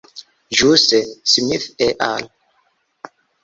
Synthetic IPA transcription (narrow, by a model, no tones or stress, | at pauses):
ʒusɛsimiθɛʔal